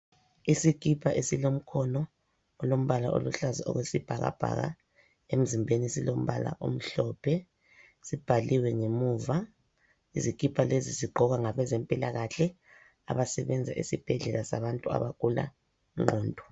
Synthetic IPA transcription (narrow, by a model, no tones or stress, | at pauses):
isikʼipʰaʔesilom̩kʰɔnɔː | lom̩βalaʔo̰luɬazaʔɔ̰ɣwesib̥ʱaɣa̰b̥ʱa̰ɣa̰ | em̩zimbʱenisilom̩βala̰ʔom̩ɬɔːpʰɛ | sib̥ʱaliwɛŋemuːva | izikipʰaleziziɡ͡ǃʱɔɣaŋaβɛzɛmpʼilaɣaɬɛ | a̰βasɛβɛnd͡zʱa̰ʔḭsib̥ʱɛɮɛlasaβantʼua̰βakʼula̰ | ŋ͡ǃɔːndʱɔ